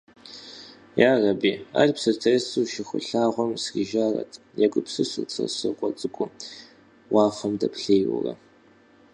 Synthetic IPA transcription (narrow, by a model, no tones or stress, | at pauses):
jaːrɐbiːa̰ːrpsɨrtʰɐsuːʃɪxʷʊ̰ɬaːʁʷɔmsriʒaːrɐ̰tʰ | jɛɡʷʼʊpsɨsut͡sʰʼɐ̰sɨkʷʼɔt͡sʼɨkʷʼʊ | wɑːfɐmdɐpʰɬeːjwʊ̰rɐ̰